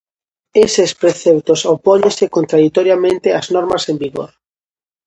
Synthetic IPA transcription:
esespɾeθept̪osopɔɲẽnsekont̪ɾaðit̪oɾjamẽnt̪eaznɔɾmasembiɣo̰ɾ

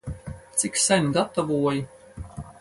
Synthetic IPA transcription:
t̪siksɛnʲɡat̪ɔvuɔji

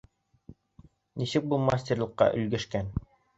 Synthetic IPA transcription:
nisɘk̚bulˠmasʲtʲerlˠɤ̆qːɑ̰ʔɵ̆lɡɵ̆ʃkæn

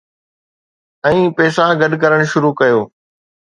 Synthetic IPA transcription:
ɛ̃ːpɛːsaɡɐɖkɐɾəɽ̃ʃʊɾukɐjoː

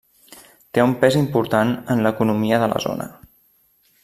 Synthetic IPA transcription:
t̪eumpɛzimpuɾt̪anənləkunumiəðələ̰zo̰nə̰

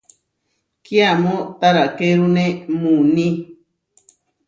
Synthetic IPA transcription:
kjamõt̪aɾakeɾunemũnĩ

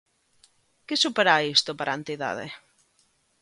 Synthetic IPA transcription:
kesupeɾaist̪opaɾʔant̪iða̰ð̞ḛ

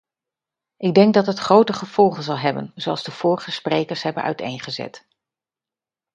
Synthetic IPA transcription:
ʔɪɡ̚dɛŋɡ̚dɑtɦətχrowtəχəv̥ɔlˠχənzɑlˠɦɛbə̰nzowɑlˠzdəv̥ʊːɹəχəsprejkəɹsɦɛbənœ̰ɥtḛjnχəzɛ̰t

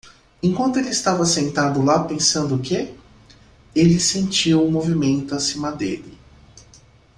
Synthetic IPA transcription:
ẽkwɐ̃nt̪ʊelɪst̪avɐsẽnt̪ad̪ʊlapẽsɐ̃nd̪ʊke | elɪsẽnt͡ʃiwũmovimẽnt̪ʊasĩmɐd̪ḛlɪ

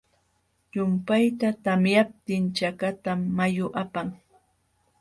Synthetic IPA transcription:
jʊmpajt̪at̪amjap̚t̪ɪnt͡ʃakat̪amːajʊʔapaŋ

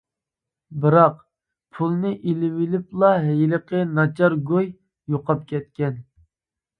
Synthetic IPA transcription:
bɨɾɑq | pʰulˠnɨʔilɪwɪlɪplˠɑɦɛjiləqənɑt͡ʃʰɑɾɡoj | joqɑp̚kʲɛt̪̚kʲɛn

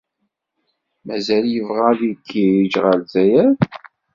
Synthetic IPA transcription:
mæzæljəvʁæðikʰːiɾid͡ʒʁəlzæjæð

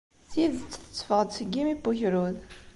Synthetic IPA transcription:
θjiðt͡sːθə̥t͡sːfəʁəd̪səɡːimibuçɾuð

